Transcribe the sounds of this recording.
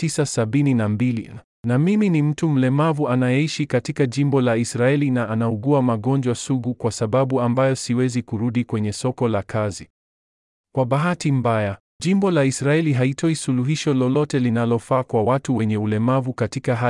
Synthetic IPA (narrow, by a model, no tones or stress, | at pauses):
isasaɓininambilḭ | namiminim̩tum̩lɛmavuanajɛiʃikatikaʄimbɔlaisɾaɛlinaʔanauɡuamaɠɔnd͡ʒwasuɡukwasaɓaɓuambajɔsiwɛzikuɾuɗikwɛɲɛsɔkɔlakʰazi | kwaɓaɦatim̩baja | ʄimbɔlaisɾaɛliɦaitɔisuluɦiʃɔlɔlɔtɛlinalɔfaːkwawatuwɛɲɛulɛmavukatikaɦa